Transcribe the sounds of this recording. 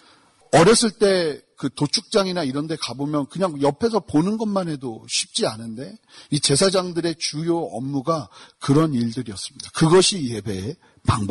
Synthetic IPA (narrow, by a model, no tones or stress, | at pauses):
ʌɾjʌs͈ɯɭt͈e̞kɯtot͡ɕʰuk̚t͡ɕ͈aŋinaiɾʌnde̞kabomjʌnkɯɲaŋjʌpʰe̞s̬ʰʌponɯnɡʌnmanɦe̞doɕʰip̚t͡ɕ͈ianɯnde̞it͡ɕe̞sʰad͡ʑaŋdɯɾe̞t͡ɕujoʌ̰mːuɡakɯɾʌniɭdɯɾiʌs͈ɯmɲid̥akɯɡʌɕʰijebe̞ | paŋbʌ